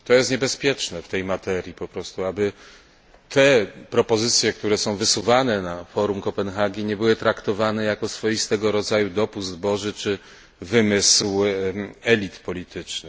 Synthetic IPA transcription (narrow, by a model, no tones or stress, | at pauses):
t̪ɔjɛst̪ɲɛbɛspʲjɛt͡ʂnɛft̪ɛjmat̪ɛɾʲjipɔpɾɔst̪uabɘ | t̪ʰɛpɾɔpɔzɘt̪sʲjɛkt̪uɾɛsɔ̃w̃vɘsuvanɛnafɔɾumkɔpɛnxaɡʲiɲɛbɘwɘt̪ɾakt̪ɔvanɛjakɔsfɔjist̪ɛɡɔɾɔd̪zajud̪ɔpuzd̪bɔʐɘt͡ʂɘ | vɘmɘsw | ɛlʲit̪pɔlʲit̪ʰɘt͡ʂnɘ